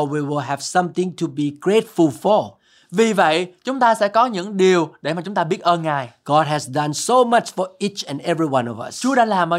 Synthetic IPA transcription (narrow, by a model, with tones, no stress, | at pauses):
wi˨wɪ˨lɦɛ˨˩v̥sa˧mt̪ɪ̃˨ŋtʰu˨bi˨ɡɹe˦˥t̚fu˨lfɔ˨˩ | vi˨˩və̰˧˨jt͡ɕʊ˨˦ŋ͡mt̪aː˧sɛ̰˧˥kɔ˨˦ɲɨ̰˧˥ŋɗi˨˩əwɗe˧˩maː˨˩t͡ɕʊ˨˦ŋ͡mt̪aː˧ɓi˦˥ət̚ʔəː˧nŋaː˨˩jɡ̥ɔ˦d̚ɦɛ˨zdã˧nso˧ma˦t͡ʃfɔ˨˩ʔi˦t͡ʃɛ̃˨nɛ˦vɹi˧wãnɔ̰˨va̰˨st͡ɕu˨˦əɗa̰ː˧˥laː˨˩mʔaː˧˦